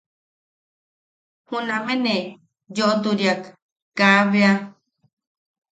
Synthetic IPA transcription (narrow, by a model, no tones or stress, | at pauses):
hunamene | joʔot̪uɾjak | kaβea